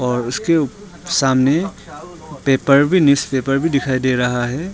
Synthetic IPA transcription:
ɔːɾʊske | saːmne | peːpəɾbʱinɪspeːpəɾbʱid̪ɪkʰaːid̪eɾɐɦaɦɛː

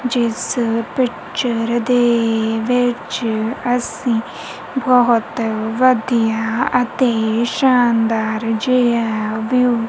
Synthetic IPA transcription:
d͡ʒɪspɪk | t͡ʃəɾd̪eʋɪt͡ʃɐsĩː | bɔɦʊt̪ʋəd̪ijaɐt̪eʃaːnd̪aːɾd͡ʒejaːʋu

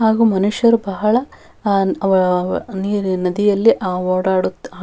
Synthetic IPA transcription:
haːɡuːmɐnuʂjɐɾubɐɦɐɭɐ | ɐʋɐɭɐniːɾnɐd̪ijɐlːiʔaːoːɽaːɽut̪ːaː

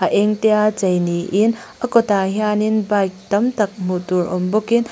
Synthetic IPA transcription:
ɐʔeŋtejat͡ʃɐjniʔinɐkotaɦjaninbajk̚tɐmtɐk̚m̥utuɾɔmbokin

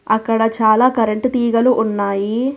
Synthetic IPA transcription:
ɐkːɐɽɐt͡ʃaːlaːkɐɾeɳʈt̪iːɡɐluʔːnːaːji

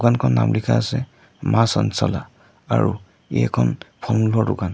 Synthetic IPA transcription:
kankʰɔnːa̰mlikʰaːsɛ | masɔnsɔla | aɹu | ejɛkʰɔnpʰɔlmulɔɹdʊkan

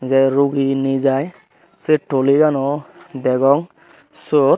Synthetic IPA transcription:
zɛɾuɡinizaj | seʈoliɡanɔbɛɡɔŋ | sɔt̪̚

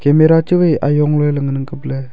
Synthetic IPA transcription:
kemeɾat͡ʃɯwɯja̰jɔŋlɔjlɯŋnɯŋkɯple

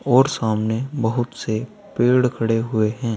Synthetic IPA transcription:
ɔːɾsaːmnebəɦʊt̪se | peːɽkʰɐɽeɦʊeɦɛ̃ː

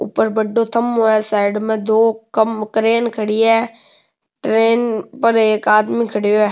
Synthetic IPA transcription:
ʊ̰pːəɾbəɖoːt̪ʰəmɦoːɛːsaːɪɖmẽd̪oːkəmʈɾeːnkʰəɽiːɛː | ʈɾeːnpəɾeːkaːd̪mĩkʰəɽijoɛː

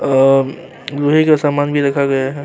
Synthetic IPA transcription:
ɾuɦikasaːmaːnbʱiɾɐkʰaɡəjaɦɛ

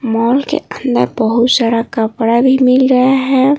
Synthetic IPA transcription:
mɔːlkḛənd̪ə̰ɾbəɦʊt̪saɽakəpɽabʱimɪlɾəaɦɛ

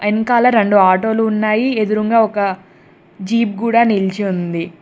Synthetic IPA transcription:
enkaːlɐɾeɳɖuaːʈo̞ːluːnːaːjied̪uɾuŋɡaːɔkɐ | d͡ʒiːp̚ɡuːɽaːnilt͡ʃiund̪i

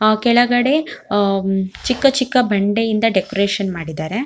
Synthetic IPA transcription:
kɛɭɐɡɐɽe̞ | t͡ʃikːɐt͡ʃikːɐbɐɳɖe̞jind̪ɐɖekoɾeːʃɐnmaːɽid̪aːɾe̞

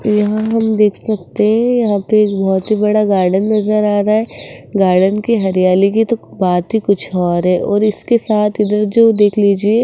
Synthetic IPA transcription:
jɐɦãɦɐmd̪eːkʰsɐk̚t̪eɦɛ̃jɐɦãpeeːkbɔɦʊt̪ɦibɐɽaɡaːɾɖənːɐzəɾaːɾaɦɛːɡaːɾɖənkiɦɐɾijaːlik̬it̪obaːt̪ɦikʊt͡ʃʰɔːɾɦɛːʔɔːɾɪskesaːt̪ʰɪd̪əɾd͡ʒoːd̪eːkʰliːd͡ʒie

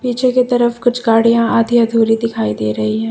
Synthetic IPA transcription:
piːt͡ʃʰeket̪ɐɾəfkʊt͡ʃʰɡaːɽijãaːd̪iɐd̪ʱuːɾid̪ɪkʰaːid̪eːɾɐɦiɦɛ̃ː

